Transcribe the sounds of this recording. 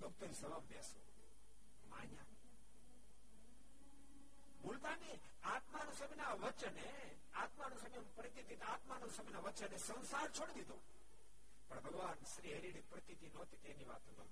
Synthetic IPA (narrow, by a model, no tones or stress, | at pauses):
d̪ukt̪əɾisɐʋambeso | ma̰ːɲa̰ | mult̪ani | at̪manusəminaʋət͡ʃəne | at̪manusəmipəɾit̪it̪it̪at̪manɐsəminaʋət͡ʃənːesə̃nsaɾt͡ʃʰoɽid̪id̪ʱo | pəɽbʱɐɡʋaːnʃɾiɦeɾiɽipɾət̪it̪inot̪it̪eniʋa̰ːt̪ɦəd̪o̰